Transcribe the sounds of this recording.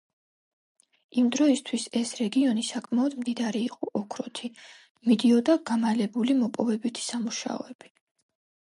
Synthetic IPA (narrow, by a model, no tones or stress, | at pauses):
imd̪ɾɔist̪ʰwisɛsɾɛɡiɔnisakʼmaɔd̪md̪id̪aɾiːqʼɔʔɔkʰɾɔt̪ʰi | mid̪iɔd̪aɡamalɛbulimɔpʼɔvɛbit̪ʰi̥samuʃa̰ɔ̰ɛb̥i̥